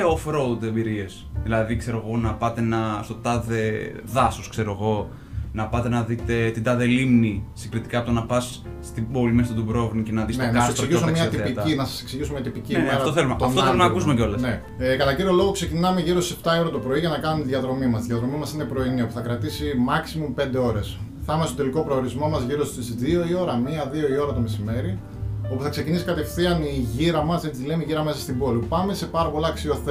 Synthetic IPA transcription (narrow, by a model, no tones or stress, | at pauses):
eofɾoud̪embiɾies | ðilɐðikse̞ɾo̞ɣo̞nɐpɐt̪e̞nɐst̪o̞t̪ɐðe̞ | ðɐsoskse̞ɾo̞ɣo̞ | nɐpɐt̪e̞nɐðit̪e̞t̪id̪ɐðelimnisiŋɡɾit̪i̥kɐpt̪onɐpɐs | t̪ibo̞limest̪ɐt̪ubɾo̞vnicenɐðisnonkɐssesiʝisummɲɐt̪iit̪inɐsɐ̥seksiʝisumɲɐt̪ipicinemeɐɾfɐt̪oθelumet̪ɐft̪oθelumeɐkusumeceo̞lɐsne | kɐlɐɟiɾiolo̞ɣo̞kse̞cinɐme̞ʝiɾo̞ssept̪ɐio̞ɾɐt̪opɾo̞iʝɐnɐkɐnumet̪iðiʝɐðɾo̞mimɐst̪iðjɐðɾo̞mimɐsine̞pɾo̞iniopuθɐkɾɐt̪isimɐksimumpe̞nd̪eo̞ɾe̞sθɐmest̪od̪eliko̞pɾo̞oɾizmo̞mɐzʝiɾo̞st̪siðio̞io̞ɾɐmiɐðio̞io̞ɾɐt̪o̞me̞sime̞ɾi | o̞puθɐkse̞cinisi̥kɐt̪e̞fθiɐniʝiɾɐmɐzðet̪izðilemiʝiɾɐme̞sɐst̪ibo̞lipɐme̞se̞pɐɾɐpo̞lɐːksio̞θ